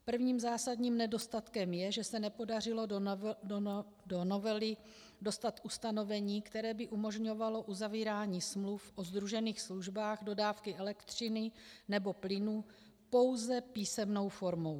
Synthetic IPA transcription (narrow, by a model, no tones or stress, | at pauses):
pr̩vɲiːmzaːsadɲiːmnɛdo̞st̪at̪kɛmjɛʒɛsɛnɛpo̞dar̝ɪlo̞ | dono̞vɛlɪ | do̞st̪at̪ʔust̪ano̞vɛɲiːkt̪ɛɾɛːbɪʔumo̞ʒɲo̞valo̞ʔuzaviːɾaːɲiːsmlufʔozd̪ɾuʒɛniːxsluʒbaːɣdo̞daːfkɪʔɛlɛkt̪r̝̥ɪnɪnɛbo̞plɪnu | po̞wzɛpiːsɛmno̞wfo̞ɾmo̞w